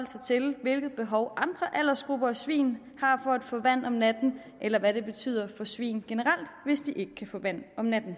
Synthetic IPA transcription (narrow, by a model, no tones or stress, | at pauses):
hɒl̰sɐt͡sʰe̝lʋe̝lɡ̥ð̩ˠb̥e̝ɦɒʊʔɑ̈nd̥ʁɐʔæl̰ɐsɡ̥ʁub̥ɐæsʋḭːn | hɑ̈fɒ̽æd̥fɔ̰ːʋæn̰ɒ̽mnæd̥n̩ | ʔelɐʋæɾe̝b̥e̝t͡sʰy̰ːð̰ˠɐfɒ̽sʋḭːnɡ̥e̝nəʁɑ̈l̰d̥ʋe̝sd̥iʔe̝ɡ̥əkʰæfɔ̰̽ːʋæn̰ɒ̽mnæd̥n̩